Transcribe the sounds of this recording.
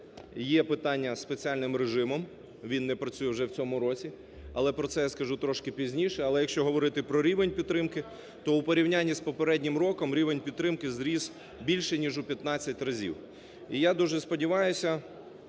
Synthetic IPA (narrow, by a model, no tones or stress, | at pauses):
jɛpɪt̪ɑnʲːɐspet͡sʲialʲnɪmɾeʒɪmɔm | ʋʲinːɛpɾɐt͡sʲujɛwʒɛwt͡sʲɔmʊɾɔt͡sʲi | ɐlˠɛpɾɔtsɛjaskɐʒut̪ɾɔʃkɪpʲizʲnʲiʃɛɐlˠɛjɐkʃt͡ʃɔɦɔʋɔɾɪt̪ɪpɾɔɾʲiʋenʲpʲid̪t̪ːɾɪmkɪ | t̪ɔupɔɾʲiwnʲanʲːispɔpeɾɛdʲnʲɪmɾɔkɔmɾʲiʋenʲpʲid̪t̪ːɾɪmkɪzɾʲiz̥ | bʲilʲʃɛnʲiʒʊpʲjɐt̪nɑt͡sʲːɐtʲrɐzʲḭw | ijad̪uʒɛspɔdʲiʋɑjʊsʲɐ